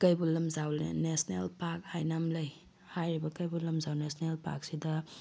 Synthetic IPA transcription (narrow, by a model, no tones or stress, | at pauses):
kɐjbulɐmzawlḛnesnelpak̚hajnamlɐj | hajɾibɐkɐjbulɐmzawnesnelpa̰k̚sidɐ